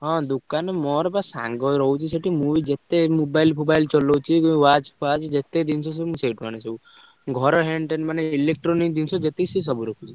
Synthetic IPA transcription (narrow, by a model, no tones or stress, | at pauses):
ɦɔ̃d̪ukanemɔɾɔbasã̰ŋɡɔɾɔɦwt͡ʃʰiseʈimuʋid͡ʒet̪emubajlpʰubajlt͡ʃɔlot͡ʃʰikuʋat͡ʃpʰad͡ʒd͡ʒet̪ed̪insʰɔsemũseʈmanesɔ | ɡʱɔɾɔɦeɳʈenmaneilek̚ʈɾɔnik̚d̪insʰɔd͡ʒet̪esis̬ɔbuɾɔkʰut͡ʃʰi